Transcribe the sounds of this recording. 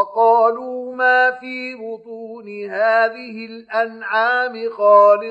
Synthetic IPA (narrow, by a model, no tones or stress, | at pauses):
qɑːluːmaːfiːbʊt̪ˤuːnɪhaːðɪhɪlʔanʕaːmɪxaːlɪ